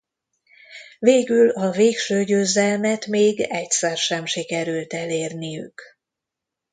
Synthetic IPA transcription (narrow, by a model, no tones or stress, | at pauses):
veːɡylɒveːkʃøːɟøːzɛlmɛt̪meːɡɛcsɛrʃɛmʃikɛɾylt̪ɛleːrnijy̰k